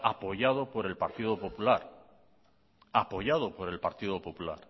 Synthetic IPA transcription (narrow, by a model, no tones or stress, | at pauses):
apo̞ʝað̞o̞po̞ɾe̞lpaɾt̪iðo̞populaɾ | apo̞ʝað̞opo̞ɾe̞lpaɾt̪iðopo̞pula̰ɾ